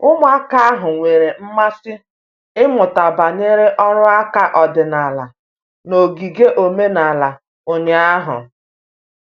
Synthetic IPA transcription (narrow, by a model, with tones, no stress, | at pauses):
ʊ˦mʊ˦a˦ka˦a˦ɦʊ˨ŋʷe˨ɾe˨m̩˦ma˦sɪ˦ | ɪ˦mʊ˨ta˨ba˨ɲe˦ɾe˦ʔɔ˦ɾʊ˦a˦ka˦ʔɔ˨dɪ˨na˨la̰˨ | no˨ɡi˨ɡe˦ʔo˨me˦na˨la˨ | o˨ɲe˨a˦ɦʊ̰˨